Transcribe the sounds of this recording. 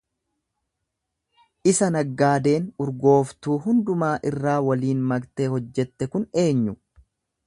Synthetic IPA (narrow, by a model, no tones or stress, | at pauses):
ʔɪsɐnɐɡːaːd̪e̞ːnʊɾɡo̞ːft̪uːɦʊnd̪ʊmaːʔɪrːaːwɐliːnmɐɡt̪ehɔd͡ʒːɛt̪ːɛkʊne̞ːɲːʊ